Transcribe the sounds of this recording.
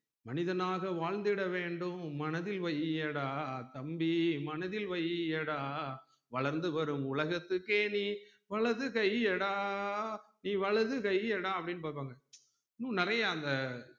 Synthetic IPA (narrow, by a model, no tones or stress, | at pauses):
mɐnɪðɐnaːɣɐʋaːɻnd̪ɪɽɐʋeːɳɖɯmːɐnɐðɪlʋɐjɛɽaːt̪ɐmbimɐnɐðɪlʋɐjɛɽaː | ʋɐɭɐɾnd̪ɯʋɐɾɯmʊɭɐɣɐt̪ːɯkːeːniː | ʋɐɭɐðɯkɐjɛɽaː | niːʋɐɭɐðɯkɐjɛɽãːɐpːɐɽɪnːpaːɾpːaːŋɡɐ | nũːnɪrɐjɐːnd̪ɐ